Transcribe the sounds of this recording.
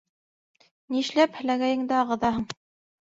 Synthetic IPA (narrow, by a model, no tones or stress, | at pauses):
niʃlæphɘ̆læɡæjɘ̆ŋd̪ɘɑʁɤ̆ðɑɦɤɴ